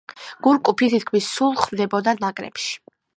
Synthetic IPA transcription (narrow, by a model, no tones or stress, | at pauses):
ɡ̥uɾkʼupʰit̪ʰit̪̚kʰmisːulˠχvd̪ɛbɔd̪anakʼɾɛ̰pʃi̥